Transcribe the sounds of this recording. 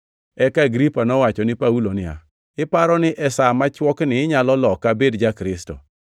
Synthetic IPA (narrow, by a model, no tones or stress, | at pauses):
ɛkaɡɾipanɔwat͡ʃɔnɪpaulonɪa̰ | ɪpaɾɔnɪʔɛsamat͡ʃwɔknɪːɲalɔlɔkabedd͡ʒakɾɪsto̰